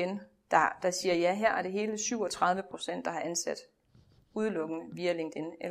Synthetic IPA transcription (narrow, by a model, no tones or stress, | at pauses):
en | d̥ɑd̥ɑ̈siːɐjæɦæɐ̰æɐd̥e̝ɦe̝ːləsyʊ̰ɒ̽t͡sʰʁɑ̈ð̞ˠʋəpʰʁo̝sen̰d̥ːɑ̈hɑ̈ʔænsæd̥ | uðˠlɔ̽ɡ̥n̩ʋiːæle̝ŋd̥ene